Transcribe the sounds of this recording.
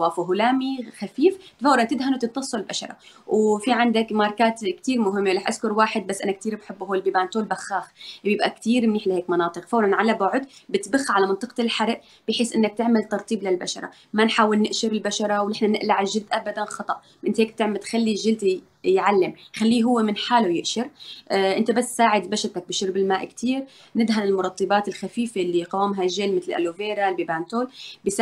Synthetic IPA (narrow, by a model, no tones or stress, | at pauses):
waːfuɦʊlaːmixafiːft̪fawlɑnt̪ɪd̪ɦanwt̪ɨt̪ˤːɑsˤːɑlbaʃɑ̰ɾˤɑ̰wfiʕand̪akmɑːɾˤkaːt̪kt̪iːɾmʊɦɪmːelaħʔaskʊɾwaːħɪd̪̚basːʔanak̚t̪iːɾbħɪbːhoːlbɪbant̪oːlbaxːaːxbjɪbʔa̰kt̪iːɾmɪniːħlaheːkmɑnɑːt̪ˤɨqfawlɑnʕalabʊʕʊd̪bɪt̪baxːʕalamɑnt̪ˤɨqɑ̥ɪlħaɾˤʔ | b̥ɪjħeːsːʔɪnːak̚t̪ɪʕmɪlt̪ːɑɾˤt̪ˤiːblɪlba̰ʃɑ̰ɾˤɑ̰ | manħaːwɪlnɪʔʃɪɾɪlbaʃɑɾˤɑwnɪħnanɪʔlaʕɪʒɪlt̪ʔabad̪anxɑt̪ˤɑʔ | ʔɪnt̪heːk̚t̪ɪʕmat̪xalːiʒːɪlt̪i | jʕalːɪmxalːiːɦʊwːemɪnħaːlojɪʔʃɪɾʔʔɪnt̪abasːsaːʕɪd̪baʃɑɾt̪ak̚bɪʃʊɾbɪlmaːʔkt̪ʰiːɾ | nɪd̪ɦanɪlmʊɾˤɑt̪ˤːɨbaːt̪ɪlxafiːfeʔlːiqɑwːmɦaʒːelmɪt̪llʔa̰loveːɾalbibant̪oːlbɪs